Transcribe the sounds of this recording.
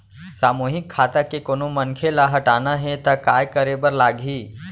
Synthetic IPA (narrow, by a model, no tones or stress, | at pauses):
saːmuːɦɪkʰːaːt̪akekoːnomɐ̃nkʰelaɦɐʈaːnaɦɛt̪akaːjkəɾebəɾlaːɡʱiː